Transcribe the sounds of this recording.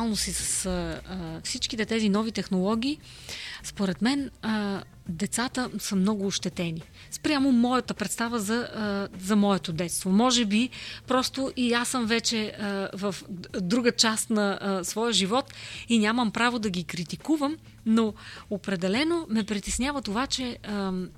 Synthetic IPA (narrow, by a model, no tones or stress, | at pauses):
lˠnosisə̥səfsit͡ʃkit̪ɛt̪ɛzinɔvit̪ɛxnolˠɔɡ̟ʲiː | spoɾɛt̪mɛnə | d̪ɛt̪sat̪əsəmnɔɡʊːʃt̪ɛt̪ɛni | spɾʲamomɔjɐt̪əpɾɛt̪st̪avəzɐzɐmɔɛt̪od̪ɛt̪st̪vomɔʒɛbipɾɔst̪oʔiasəmvɛt͡ʃɛəvɐfd̪ɾuɡət͡ʃast̪nɐsvɔjəʒivɔt̪inʲaməmpɾavod̪ɐɡikɾit̪ikuvəm | noopɾɛd̪ɛlɛnomɛpɾit̪ɛsnʲavət̪ovat͡ʃɛə